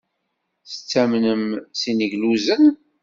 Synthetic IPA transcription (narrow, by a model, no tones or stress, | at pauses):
θə̥t͡sːæmnəmsinəʝluzən